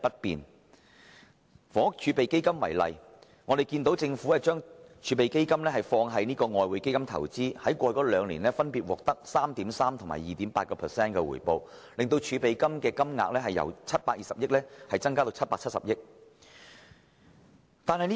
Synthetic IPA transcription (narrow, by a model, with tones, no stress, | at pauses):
pɐ˥t̚piː˨n | fɔː˨˥t͡ʃʰyː˨˧pe˨jke˥jkɐ˥mwɐ̰˨˩jlɐ̰˨j | ŋɔː˨˧d̪e˨˩jkiː˧nt̪o˨˥wt͡sɪ˧ŋfu˨˥ɛ˥˧t͡ʃœː˥ŋt͡ʃʰyː˨˧pe˨jke˥jkɐ˥mlɛː˥ɦɐ˨jfɔː˧ŋɦɐ˨˧jniː˥kɔː˧ŋɔː˧jwu˨˧jke˥jkɐ˥mt̪ʰɐ̰˨˩wt͡siː˥hɐ˨˥jkʷɔː˧jkɔː˨˥lœː˨˧ŋliː˨˩nlɛː˥fɐ˥npiː˨t̚wɔː˨k̚t̪ɐ˥k̚saː˥mt̪iː˨˥msaː˥mt̪ʰʊ˨˩ma̰˨˩jiː˨t̪iː˨˥mpaː˧t̚kɔː˧pʰɛ˨sɛː˥nkɛː˧wṵ˨˩jpo˨wlɪ˨ŋt̪o˧wt͡ʃʰyː˨˧pe˨jkɐ˥mkɛː˧kɐ˥mŋa̰ː˧k̚lɛː˥ɦɐ˨jɐ̰˨˩wt͡sʰɐ˥t̚paː˧k̚jiː˨sɐ˨p̚jɪ˥k̚lɛː˥hɐ˨jt͡sɐ˥ŋkaː˥t̪o˧wt͡sʰɐ˥t̚paː˧k̚t͡sʰɐ˥tsɐ̰˨p̚jɪ˥k̚ | t̪aː˨nhɐ˨jni˥